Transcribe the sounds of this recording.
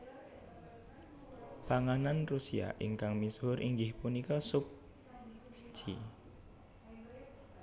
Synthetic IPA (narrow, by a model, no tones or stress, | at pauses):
paŋananrusia̰ʔḭŋkaŋmisɦʊɾʔiŋɡɪhpunikɔsʊk̚ | sə̥t͡ʃḭ